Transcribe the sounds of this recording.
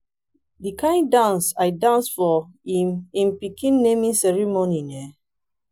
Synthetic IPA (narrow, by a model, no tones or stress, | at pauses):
dikãɪ̃ndãnsaɪdãnsfɔimĩmpikʰĩnːemĩnsɛɹimoninɛ